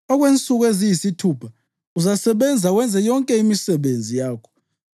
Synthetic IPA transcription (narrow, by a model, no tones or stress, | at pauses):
ɔɣwent͡sʼuɣ̬wezijisitʰuːpʰa | uzasɛɓɛnd͡zʱawɛnd͡zʱɛjɔŋkʼɛimisɛɓend͡zʱijaːkʰɔ̥